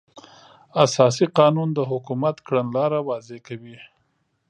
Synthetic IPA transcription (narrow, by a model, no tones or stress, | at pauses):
asɑs̬iqɑnund̪əɦʊkumat̪kɽanlɑɾawɑzekawi